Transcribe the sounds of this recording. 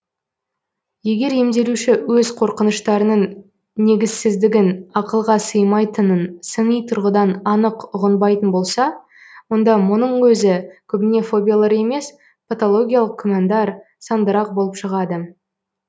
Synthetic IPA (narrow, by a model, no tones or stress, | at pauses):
je̞ɡʲe̞ɾje̞md̪e̞luʃɪwɵzqʰo̞ɾqənəʃt̪ɑɾənəɴ | ne̞ɡʲɪzsɪzd̪ɪɡʲɪnɑqəlˠʁɑsəjmɑjt̪ənənsəɴijt̪ʰʊɾʁəd̪ɑnɑnəqʊʁənbɑjt̪ənbo̞lˠsɑ | wo̞nd̪ɑmʊnəɴwɵzɪkʲʰʏbɪne̞fo̞bʲijalˠɑɾe̞me̞s | pʰet̪olˠo̞ɡʲijalˠəq̚kʲʰʊmend̪ɑɾ | sɑnd̪əɾɑq̚bolˠəpʃəʁɑd̪ə